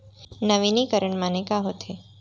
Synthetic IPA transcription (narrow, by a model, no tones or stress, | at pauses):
nəʋinikəɾəɳmãnekaɦot̪ʰe